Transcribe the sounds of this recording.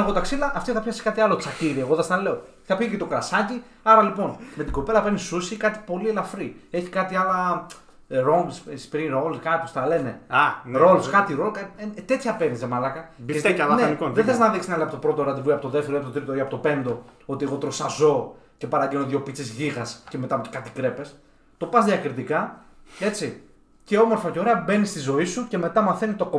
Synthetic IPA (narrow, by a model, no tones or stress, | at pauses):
ɣot̪ɐksilɐʔːft̪iθɐpçɐsi̥kɐt̪ialo̞t͡saciɾieɣoðɐst̪ɐle̞o̥ | θɐpçiicet̪o̞kɾɐsɐci | ɐɾɐlipo̞nme̞t̪iɡo̞pe̞lɐpenisusikɐt̪i̥po̞lielɐfɾie̞çi̥kɐt̪iɐlɐ | ɾo̞ŋɡsspɾiɾolkɐt̪ost̪ɐle̞ne̞anɾo̞lskɐt̪iɾo̞lkɐet̪e̞t̪çɐpeɾnizemɐlɐkɐisɐlnenioðeθeznɐðiksinɐliɐpot̪opɾo̞t̪oɾɐd̪ivuiɐpot̪oðeft̪eɾoipot̪t̪ɾit̪oiɐpot̪ope̞nd̪o̞o̞t̪ie̞ɣo̞t̪ɾosɐzo̞ | ce̞pɐɾɐɟeno̞ðjo̞pit͡sezʝiɣɐsce̞met̪ɐpt̪ekat̪i̥kɾe̞pe̞s | t̪o̞pɐzðiɐkɾit̪ikɐe̞t͡si | ce̞o̞mo̞ɾfɐceoɾeɐbe̞nist̪izo̞isuce̞me̞t̪ɐmɐθe̞nit̪o̞ko